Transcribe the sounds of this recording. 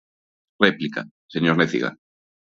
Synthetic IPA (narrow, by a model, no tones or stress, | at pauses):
replika̰ | seɲoɾneθḭɣa̰